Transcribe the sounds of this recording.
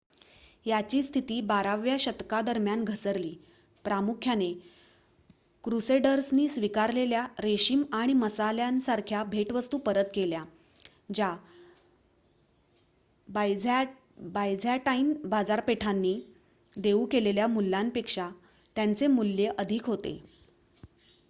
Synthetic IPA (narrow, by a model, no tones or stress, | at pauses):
jat͡ɕiːst̪ʰit̪iːbaɾaʋjaɕət̪kad̪əɾmjanɡʱəsəɾliː | pɾamukʰjane | kɾuseɖəɾsniːsʋikaɾleljaɾeɕiːmaɽ̃iməsaljansaɾkʰjabʱeʈʋəst̪uːpəɾət̪kelja | d͡ʑa | bajd͡za | bajd͡zʱjaʈainbad͡zaɾpeʈʰanːiː | d̪eukeleljamulːanpekʂa | t̪jant͡semulːjeʔəd̪ʱikɦot̪ḛ